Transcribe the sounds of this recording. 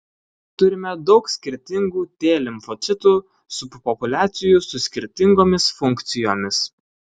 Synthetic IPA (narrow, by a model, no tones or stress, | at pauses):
t̪ʊɾʲɪmʲɛd̪ɒʊksʲkʲɪɾʲt̪ʲɪŋɡuːt̪ʲeːlʲɪmfɔt̪sʲɪt̪uːˑ | sʊppɔpʊlʲæːt̪sʲɪjuˑsʊsʲkʲɪɾʲt̪ʲɪŋɡoːmʲɪsfʊŋʲˑkt̪sʲɪjoːmʲɪs